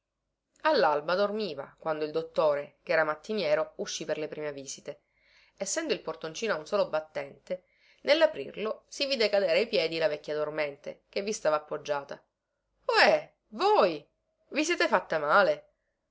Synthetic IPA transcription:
alːalbad̪ormiːva̰kwand̪oild̪ot̪ːoːɾekɛːɾamat̪ːinjɛːɾouʃːiperlepɾiːmeviːzit̪e | esːɛnd̪oilport̪ont͡ʃiːnoaunsoːlobat̪ːɛnt̪e | nelːapɾḭrlosiviːd̪ekad̪eːɾeajpjɛːd̪ilavɛkʲːjad̪ormɛnt̪ḛkevːist̪aːvaːpːod͡ʒːaːt̪a | oɛ | voːj | vis̬jɛːt̪efat̪ːamaːle

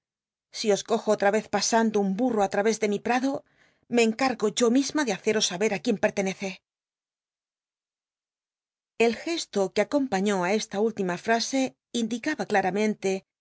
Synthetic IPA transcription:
sio̞sko̞xoot̪ɾaβe̞θpasand̪oumburoat̪ɾaβe̞zðe̞mipɾaðo̞ | me̞ːŋkaɾɣo̞ʝo̞mizmaðe̞aθe̞ɾo̞saβe̞ɾakje̞mpe̞ɾt̪e̞ne̞θe̞ | e̞lxe̞st̪o̞keako̞mpaɲo̞ae̞st̪ault̪imafɾase̞ | ind̪ikaβaklaɾamẽ̞nt̪e̞

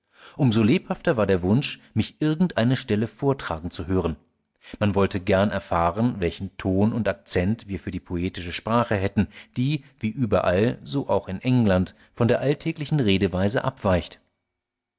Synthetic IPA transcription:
ʔʊmzoleːphaftɐvaːɐdeːɐvʊnʃmɪçʔɪɐɡŋ̩tʔaɪnəʃtɛləfoːɐtʁ̥aːɡŋ̩t͡suɦøːʁ̞ən | manvɔltəɡɛɐnʔɛ̰ɐfaːʁənvɛlçn̩tʰoːnʊntak̚t͡sɛntv̥iːɐfyːɐdiːpʰoeːtɪʃəʃpʁ̥aːχəɦɛtn̩d̥iːviːʔyːbɐ̰ʔalzoːʔaʊxɪnʔɛŋlant | fɔndeːɐʔaltʰɛːklɪçn̩ʁeːdəvaɪzə̰ʔa̰pv̥aɪçt

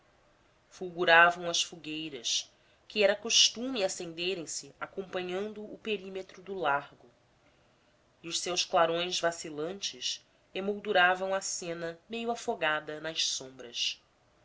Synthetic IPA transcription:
fuwɡuɾavɐ̃w̃ɐʃfuɡejɾɐs | kɪɛɾɐkoʃt̪ũmɪasẽnd̪eɾẽj̃sɪakõmpɐ̃ɲɐ̃nd̪ʊːpeɾimet̪ɾʊd̪ʊlaɾɡʊ | iʊʃsewsklaɾõj̃zvasilɐ̃nt͡ʃɪs | emowd̪uɾavɐ̃w̃ɐsẽnɐmejʊafoɡad̪ɐnɐʃsõmbɾɐs

